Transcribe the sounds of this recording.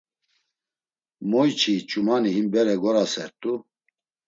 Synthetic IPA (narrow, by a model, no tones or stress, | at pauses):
mɔjt͡ʃʰit͡ʃʼumaniɦimbɛɾɛɡɔɾasɛɾt̪ʼu